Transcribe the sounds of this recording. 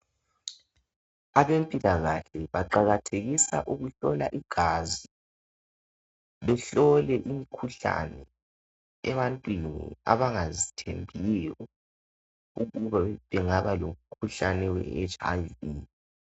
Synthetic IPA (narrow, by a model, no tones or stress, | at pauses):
aβempʼilaɣaɬɛβaǃaɣatʰeɣisa̰ʔuɣuɬɔlaʔiɡ̥ʱazi | βɛɬɔlɛʔimikʰuɬa̰nɛ | ɛβantʼwinḭa̰βaŋazitʰembʱiijɔ | uɣuβaβɛŋaβalom̩kʰuɬanɛwɛ̰et͡ʃʼa̰viː